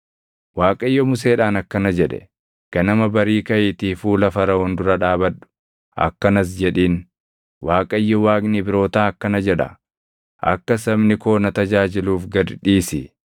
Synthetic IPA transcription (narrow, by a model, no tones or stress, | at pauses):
waːkʼɐjːɔmʊs̬e̞ːᶑaːnɐkːɐnɐd͡ʒɛᶑɛ̥̰ | kɐnɐmɐbɐɾiːkɐjɪt̪iːfuːlɐfɐɾɐɔnd̪ʊɾɐᶑaːbɐᶑʊ̥ | ʔɐ̰kːɐnɐs̬d͡ʒɛᶑiːn | waːkʼɐjːɔwaːkʼnɪbɪɾo̞ːt̪aːɐkːɐnɐd͡ʒɛᶑɐ̰ | ʔɐ̰kːɐsɐbnɪko̞ːnɐt̪ɐd͡ʒaːd͡ʒɪluːfɡɐd̪ᶑiːsɪ